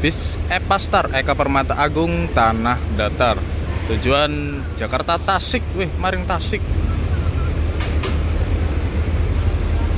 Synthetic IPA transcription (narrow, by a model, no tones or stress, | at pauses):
b̥ɪsʔɛpast̪ərʔekapərmat̪aʔaɡʊŋt̪anahdat̪art̪ud͡ʒuan̥ | d͡ʒ̥a̤kart̪at̪asɪk̚wɪhmaɾɪŋt̪asɪk̚